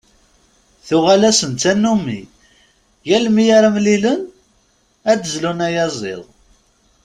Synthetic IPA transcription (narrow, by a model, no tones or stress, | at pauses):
θʊʁælæsənt̪t͡sːænːumḭ | jælmijaɾamlilən | æd̪əzlunæjɑzˤḛðˤ